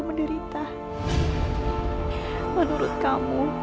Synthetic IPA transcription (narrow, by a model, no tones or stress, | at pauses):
məndəɾit̪a | mənuɾʊt̪̚kamu